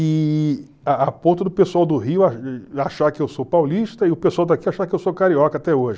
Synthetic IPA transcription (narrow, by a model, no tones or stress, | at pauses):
ɪ | aapõt̪ʊd̪ʊpesuawd̪ʊɦiʊaaʃaɾkɪewsopawliʃt̪ɐɪʊpesuawd̪akiaʃaɾkɪewsokaɾiɔkɐat̪ɛoʒɪ